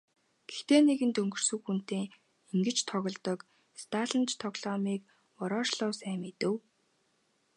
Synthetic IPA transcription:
ɡ̥ext̪eːneɣɘ̆nt̪ɵŋɡɵ̆r̥sɵ̆wxun̥t̪eː | iŋɡɘ̆t͡ɕt̪ʰɔɣɞ̆ɮt̪ɞ̆k | st̪ʰaːɮə̆nt͡ɕt̪ʰɔɣɮ̥ɔːmiːk | ɔɾɔːʃɮʊːsæːmit̪ɘ̆w

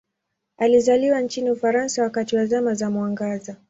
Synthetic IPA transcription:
alizaliwant͡ʃiniufaɾansawakatiwazamazamwaŋɡaza

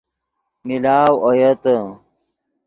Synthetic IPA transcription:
milaːwojɐt̪ə

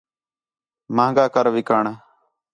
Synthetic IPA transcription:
mãːɡaːkəɾʋɪkaːɳaː

